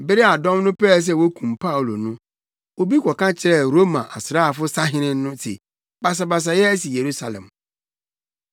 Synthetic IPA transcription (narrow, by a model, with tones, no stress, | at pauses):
bɪ˦ɾɪ˦a˨dɔ̃˦mnʊ̃˦pɛː˦˨s̬ɛ˦wo˦kʰũ˨mpʰa˦˨u˨lo̰˨nũ˦ | o˦bi˦kʰʷɔ˨kã˦t͡ɕʰɪ˨˦ɾɛ˦˨ɾo˦mã˨ʔa̰˨sɾa˦˨fʊ˦sa˦ɦɪ̃˦nɪ̃˦ʊ̃˦sʰḛ˨ | ba˨s̬a˨ba˨s̬a˨jɛ˦æ˦si˨je˨ɾu˦sa˨lɛ̰̃˨m